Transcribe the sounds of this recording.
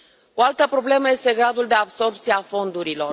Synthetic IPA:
o̞alt̪əpɾo̞ble̞məje̞st̪e̞ɡɾad̪uld̪e̞abso̞rpt̪sieafo̞nd̪uɾilo̞r

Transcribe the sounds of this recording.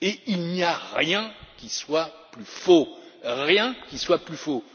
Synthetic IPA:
eilniaʁjɛ̃kʲiswaplyfoʁjɛ̃kʲiswaplyfo

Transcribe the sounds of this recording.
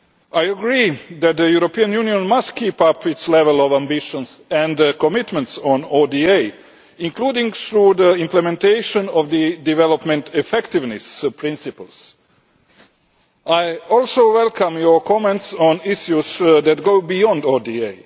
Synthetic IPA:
ajəɡɾiːd̪æt̪̚d̪əjuɾopiːãnjuniõnmast̪kiːpapit̪slɛʋɛlɔʋãmbiʃɔ̃nsɛ̃nd̪kɔmit̪mɛ̃ntsɔ̃nodiej | ĩnkluːdĩŋɡθɾud̪əĩmplɛmɛ̃nt̪eɪʃɔ̃nɔʋd̪ədivɛlopmɛ̃nt̪ʰɛfɛkt̪ɪvnɪspʰɾɪ̃nsipəlˠs | ajɔlˠsoʊwɛlˠkʰãmjɔkʰɔmɛ̃ntsɔ̃niʃjusd̪æt̪ɡoʊbijɔ̃nd̪odiej

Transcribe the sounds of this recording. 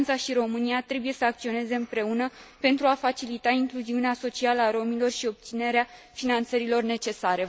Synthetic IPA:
nt̪saʃiɾo̞mɨniat̪ɾe̞buje̞səak̚t̪sio̞ne̞ze̞ɨmpɾe̞unəpe̞nt̪ɾuafat͡ʃilit̪aiŋkluziuneaso̞t͡ʃialəaɾo̞milo̞rʃio̞p̚t̪sine̞ɾea | finant̪səɾilo̞rne̞t͡ʃe̞saɾe̞

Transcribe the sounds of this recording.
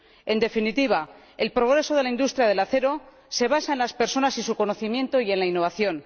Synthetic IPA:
e̞nd̪e̞finit̪iβ̞a | e̞lpɾo̞ɣ̞ɾe̞so̞ðelaind̪ust̪ɾjað̞e̞laθe̞ɾo̞ | se̞β̞asae̞nlaspe̞ɾso̞nasisuko̞no̞θimjẽ̞nt̪o̞ie̞nlainːo̞β̞aθjo̞n

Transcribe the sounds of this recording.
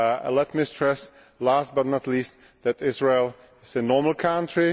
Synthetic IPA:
lɛtmistʰɹ̥ɛs | læst̚bʌtnətliːst | ðætɪzɹeɪlˠ | ɪzɨnɔɹml̩ˠkʰãntʰɹi

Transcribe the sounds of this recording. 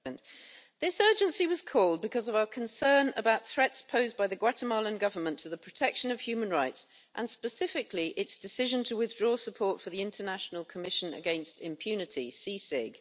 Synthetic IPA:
nðɪsɜːd͡ʒɨ̃nsiwɒz̥kʰɔːlˠd̚bɨkʰʌzʌvaʊəkʰə̃nsɜ̃ːnə̰baʊt̪̚θɹɛtspʰəʊzbaɪðəɡwatəmɑlˠə̃nɡʌvə˞mə̃ntʰəðəpʰɹ̥ətʰɛkʃə̃nəv̥hjʉːmə̃nɹaɪts | ʔə̃nspəsɪfɪkliʔɪtsd̥ɨsɪʒə̃ntʰəwɪðdɹɔːsəpʰɔɹtfəðiɪ̃ntʰənaʃnəlˠkʰəmɪʃə̃nə̰ɡɛ̃nstʰɪ̰̃mpʰj̥ʉnɪtʰḭsisɪɡ̥

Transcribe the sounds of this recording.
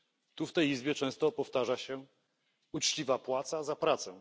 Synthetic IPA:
t̪uft̪ɛjizbʲjɛt͡ʂɛ̃st̪ɔpɔft̪aʐaɕɛ | ut͡ʂt͡ɕivapwat̪sazapɾat̪sɛ

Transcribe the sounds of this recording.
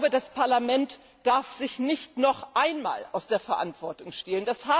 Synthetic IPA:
bədaspʰaɐlamɛnt | d̥aɐfz̥ɪçnɪçtnɔχʔaɪnma̰ːlʔa̰ʊsd̥eːɐfɛɐʔantv̥ɔɐtʊŋʃtɛːlənd̥ashaː

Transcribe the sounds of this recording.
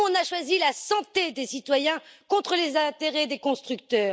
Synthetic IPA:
ɔ̃naʃwazilasɑ̃t̪ed̪esit̪wajɛ̃kɔ̃t̪χəlezɛ̃t̪eʁed̪ekɔ̃st̪χyk̚t̪œːʁ

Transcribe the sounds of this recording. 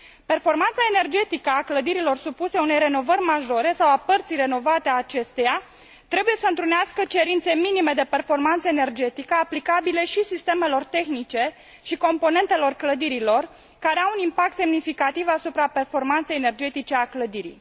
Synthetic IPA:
pe̞rfo̞rmant̪saene̞rd͡ʒe̞t̪ikəakləd̪iɾilo̞rsupuse̞une̞jɾe̞no̞vərʲmaʒo̞ɾe̞sawapərt̪sijre̞no̞vat̪eaːt͡ʃe̞st̪eja | t̪ɾe̞bujesəɨnt̪ɾuneaskət͡ʃe̞ɾint̪se̞minime̞d̪e̞pe̞rfo̞rmant̪səene̞rd͡ʒe̞t̪ikəaplikabile̞ʃisist̪e̞me̞lo̞rt̪e̞xnit͡ʃe̞ | ʃiko̞mpo̞ne̞nt̪e̞lo̞rkləd̪iɾilo̞r | kaɾe̞aunimpak̚t̪se̞mnifikat̪ivasupɾape̞rfo̞rmant̪se̞jene̞rd͡ʒe̞t̪it͡ʃe̞akləd̪iɾḭj

